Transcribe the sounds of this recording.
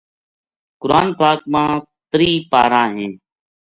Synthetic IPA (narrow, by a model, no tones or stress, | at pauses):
kʊɾa̰ːnpaːk̚mãː | t̪ɾiːpaːɾãːɦẽː